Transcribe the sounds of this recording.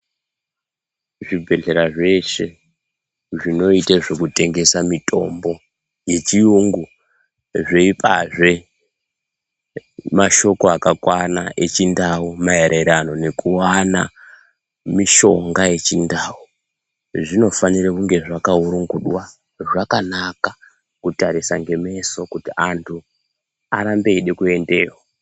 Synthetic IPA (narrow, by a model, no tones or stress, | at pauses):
ʐibʱe̞ɮe̞ɾaʐe̞ʃe̞ | ʐino̞iteʐokute̞ŋɡe̞samitʼo̞̰mbo̞ | je̞t͡ʃijuŋɡu | ʐeipʰaʐe | maʃo̞ko̞akakwanaʔe̞t͡ʃindawumajeɾʔeɾano̞ne̞kuwana | miʃo̞ŋɡaje̞t͡ʃindaːu | ʐino̞fanirekuŋɡe̞ʐakauɾuŋɡuɗwa | ʐakanaka | kutaɾisaŋɡe̞me̞so̞kutiʔantʰu | aɾambe̞iɗe̞kue̞nde̞ːrwa